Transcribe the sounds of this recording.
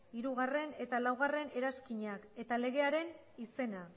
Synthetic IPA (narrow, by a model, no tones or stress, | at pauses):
iɾuɣ̞are̞ne̞t̪alawɣ̞are̞ne̞ɾaskiɲake̞t̪ale̞ɣ̞e̞aɾe̞n | ise̞na